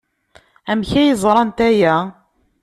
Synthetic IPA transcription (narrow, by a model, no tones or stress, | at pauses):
æmçæjəzˤɾˤɑnt̪æjæ